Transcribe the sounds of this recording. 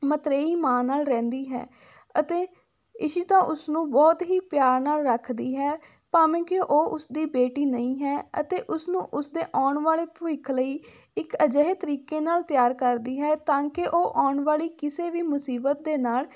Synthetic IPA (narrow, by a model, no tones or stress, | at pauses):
mət̪ɾeːiːmãːnaːlɾɛ̃ːnd̪iːɦɛ̰ː | ət̪eː | ɪʃiːt̪ãːʔʊsnũːbɔːt̪ɦiːpjaːɾnaːlɾəkʰd̪iːɦɛː | paːmẽːkoʔoːʔʊsd̪iːbeːʈiːnəĩːɦɛːə̰t̪eːʔʊsnũːʔʊsd̪eːʔaːɳʋaːleːpʊɪkʰləiː | ɪkəd͡ʒəɦeːt̪əɾiːkeːnaːlt̪jaːɾkəɾd̪iːɦɛːt̪ãːkɪʔoːʔaːɳʋaːliːkɪseːʋiːmʊsiːbət̪̚d̪eːnaːl